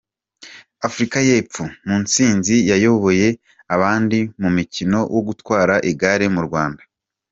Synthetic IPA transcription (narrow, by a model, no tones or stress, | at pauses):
afuɾikaje̞ːp͡fumuːnt͡siːnzijajo̞βo̞je̞ | aβaːndimumicino̞wʔoɡutwaːɾaʔiɡaɾemuɾɡwaːndḁ